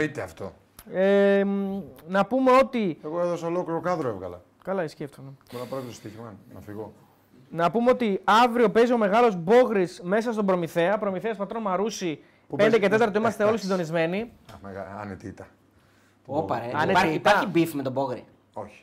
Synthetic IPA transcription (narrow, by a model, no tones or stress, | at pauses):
it̪eɐft̪o̞̰ | e | nɐpume̞o̞t̪ieɣoeðosɐolokliɾokɐðɾoevɣɐlɐ̰ | kɐlɐisceft̪umeoɾonɐpɾɐt̪t̪ost̪içimɐnɐ̰fiɣo | nɐpumeo̞t̪iɐvɾio̞pe̞zio̞me̞ɣɐlo̞zbo̞ɣɾisme̞sɐst̪obɾo̞miθe̞ɐpɾo̞miθeɐspɐt̪ɾo̞mɐɾusi | pped̪ece̞t̪e̞t̪ɐɾt̪oimɐst̪eo̞lisind̪o̞nizme̞nimeɣɐ̰net̪it̪ɐ | opɐɾeɐneɐɾiaɐibifmet̪oboɣɾi | o̞çi̥